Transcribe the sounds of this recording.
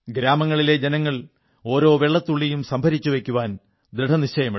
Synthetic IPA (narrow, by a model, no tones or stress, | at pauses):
ɡɾaːmɐŋːɐɭile̞d͡ʑenɐŋːɐɭ | o̞ːɾo̞ːʋeɭːɐt̪ːuɭːijumsɐmbʱɐɾit͡ɕːuʋe̞kʲːuʋaːn | d̪ɾiɖʱɐnit͡ɕːɐjɐmi